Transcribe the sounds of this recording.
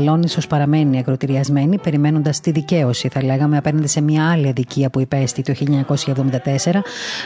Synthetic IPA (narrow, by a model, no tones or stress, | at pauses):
lo̞niso̞spɐɾɐme̞niɐkɾo̞t̪iɾiɐzme̞nipeɾime̞no̞nd̪ɐst̪iðice̞o̞siθɐle̞ɣɐmeɐpenɐnd̪ese̞mɲɐɐliɐðiciɐpuipe̞st̪it̪oçiliɲɐɲɐko̞sçɐevðomind̪ɐt̪e̞se̞ɾɐ